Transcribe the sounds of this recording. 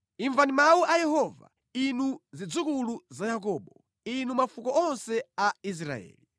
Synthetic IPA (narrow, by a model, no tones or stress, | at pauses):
iɱvanimauʔajɛɦɔva̰ | inuzid͡zukuluzajak̬ɔːɓɔ | inumafukɔʔɔnsɛais̬ɾa̰ɛ̰ːli